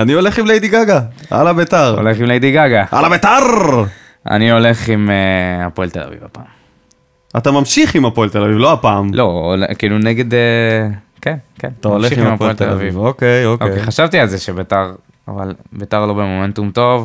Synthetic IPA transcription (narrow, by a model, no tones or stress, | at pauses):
anioleχimlejdiɡaɡaa̰labetaʁo̰le̞χimlejdiɡaɡaʔa̰labetaʁ | a̰nio̞le̞χimeapoelt̪e̞la̰vḭvapa̰ːm | at̪amamʃiχimapoelt̪elavivloapaːmlʔo̞olkiiːluneɡe̞d̪e | kenkenat̪amoleʃiχimmapoelt̪ela̰vivokejokʔokeχaʃavt̪ialzeʃebetaʁ | a̰valbetaʁlo̞bemo̞me̞ntumt̪o̞v